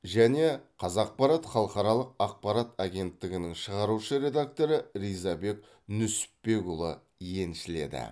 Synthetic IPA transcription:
ʒæne̞qʰɑzɑq̚pɑɾɑt̪χɑlˠəqɑɾɑlˠəq̚ɑq̚pɑɾat̪ɑɡʲe̞nt̪ːɪɡʲɪnɪŋʃəʁɑɾuʃəɾe̞d̪ak̚t̪o̞ɾəɾijzɑbe̞k | nʏsɪ̥pːe̞ɡulˠə̰ | je̞nʃɪle̞d̪ɪ̰

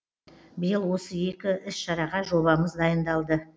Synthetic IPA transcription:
bɪjəlˠwo̞səe̞kʲɪʔɪsʃɑɾɑʁɑʒo̞βɑməzd̪ɑjənd̪ɑlˠd̪ə

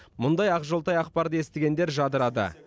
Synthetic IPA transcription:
mʊnd̪ɑjɑqʒolˠt̪ɑjɑqpɑɾd̪əe̞st̪eɡʲe̞nd̪e̞ɾʒɑd̪əɾɑd̪ə̰

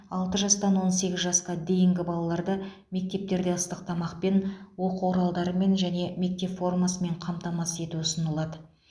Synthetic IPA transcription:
ɑlˠt̪əʒɑst̪ɑnwo̞nse̞ɡʲɪzʒɑsqɑd̪e̞jɪŋɡʲɪbɑlˠɑlˠɑɾd̪ɑ | me̞k̚t̪e̞p̚t̪e̞ɾd̪eəst̪əq̚t̪ʰɑmɑqpe̞nwo̞quwoɾɑlˠd̪ɑɾəme̞nʒæne̞me̞k̚t̪e̞pfo̞rmasəme̞ɴqʰɑmt̪ɑmɑse̞t̪uʊsənəlˠɑd̪ə

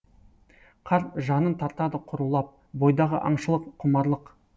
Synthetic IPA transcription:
qʰɑɾʒɑnənt̪ʰɑɾt̪ɑd̪əqʰʊɾəlˠɑp̚ | bo̞jd̪ɑʁəʔɑ̰ɴʃəlˠəqqʰːʊmɑɾlˠəq

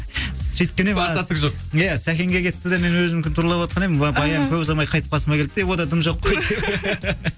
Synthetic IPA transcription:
sejt̪̚kʲenesɑt̪ːəʒoq | jæsækʲe̞ŋɡʲekʲʰe̞t̪ːɪd̪eme̞nwɵzmɪmkʲɪnt̪ʊɾlˠɑpwɑt̪̚qʰɑnemɪnɑbɑjɑmkʲʰɵβzɑmɑjqʰɑjt̪ə̥p̚ɑsəmɑkʲʰed̪ɪd̪ewo̞d̪ɑd̪əmʒo̞qː

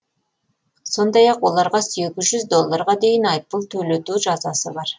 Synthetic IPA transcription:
so̞nd̪ɑjɑqwo̞lˠɑɾʁɑseɡʲɪzʒʏzd̪o̞lˠːɑɾʁɑd̪e̞jɪnɑjp̚ːəlˠt̪ʰɵle̞t̪uʒɑzɑsəbɑɾ

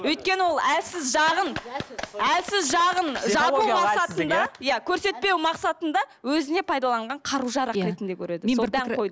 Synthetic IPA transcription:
wɵjt̪̚kʲe̞nɪwo̞lˠælsɪzʒɑʁən | ælsɪzʒɑʁənʒɑumɑsɑt̪ənd̪ɑjækʲʰɵɾse̞t̪̚pe̞wmɑqsɑt̪ənd̪ɑwɵzɪne̞pʰɑjd̪ɑlˠɑɴʁɑɴqʰɑɾuʒɑɾɑɾe̞t̪ɪnd̪e̞kʲʰɵɾe̞d̪ɪood̪æojd̪ə

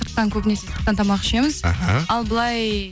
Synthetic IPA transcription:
əɾq̚t̪ːɑŋkʲʰɵpneset̪ʰə̥t̪ɑnt̪ʰɑmɑqə̥ʃeməz̥a̰ɦa̰ɑlˠbəlˠɑj

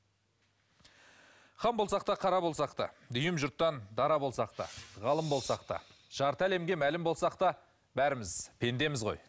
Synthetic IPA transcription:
χɑmbo̞lˠsɑq̚t̪ɑqʰɑɾɑbolˠsɑqt̪ɑ̰d̪ʏjɪmʒʊɾt̪ːɑnd̪ɑɾɑbo̞lˠsɑq̚t̪ɑ̰ʁɑlˠəmbo̞lˠsɑqt̪ɑ̰ʒ̥ɑɾt̪æle̞mɡʲe̞mælɪmbo̞lˠsɑq̚t̪ɑ | bæɾɪmɪzpʰe̞nd̪e̞mɪzʁo̞̰j

